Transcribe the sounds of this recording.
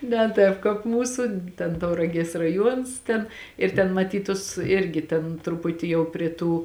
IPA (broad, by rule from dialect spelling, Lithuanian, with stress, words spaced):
nʲɛ ˈtɑːp kɑːp ˈmuːsʊ tʲɛn tɐʊrɐˈɡʲiɛs rɐˈjuɔns ˈtʲɛn ɪr tʲɛn mɐˈtʲiːt ˈtʊs ˈɪrʲɡʲɪ ˈtʲeːn trʊˈpʊtʲɪ jɛʊ pʲrʲiɛ ˈtuː